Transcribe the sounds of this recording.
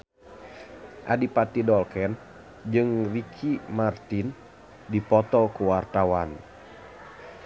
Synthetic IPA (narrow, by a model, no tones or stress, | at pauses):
ʔadipat̪idɔlkɛn | d͡ʒɨŋrikʰimart̪in | dipɔt̪ɔkuwart̪awan